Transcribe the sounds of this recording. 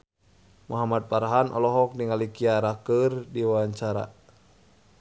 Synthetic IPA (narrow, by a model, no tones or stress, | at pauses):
muɦamad̪̚paɾaɦanʔɔ̰lɔɦɔk̚diŋalikiaɾakərdiwawaɲt͡ʃaɾa̰